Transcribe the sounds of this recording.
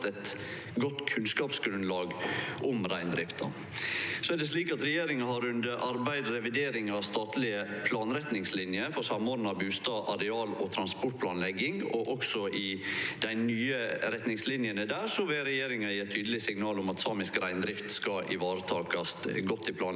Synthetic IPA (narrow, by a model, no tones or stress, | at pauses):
t̪ɛt̪ | ɡɔt̪ːkʰʉnskɑːpsɡɾʉnlɑːɡʔʊmɾæɪnd̪ɾɪft̪ɑ̰ | sɔædɛs̬liːkɑt̪ɾɛjeːɾɪŋɑhɑɾʉnd̪əɾʔɑɾbæɪd̪ɾɛʋɪd̪eːɾɪŋɑst̪ɑːt̪lɪə | pʰlɑːnɾɛt̪nɪŋslɪnjəfɔɾsɑmoːd̪nɑbʉːst̪ɑʔɑɾɛɑːlɔ̰t̪ʰɾɑnspɔʈ̚pʰlɑːnlɛɡɪŋɔʔɔksɔʔɪd̪̥æɪnyːəɾɛt̪nɪŋslɪnjənəd̪æːɾsɔʋɛɾɛjeːɾɪŋɑɪɛt̪ʰːyːd̪əlɪsɪŋnɑːlʊmɑt̪sɑːmɪskɾæɪnd̪ɾɪft̪skɑʔɪʋɑːɾət̪ʰɑːkɑst̪ɡɔt̪ːɪpʰlɑːn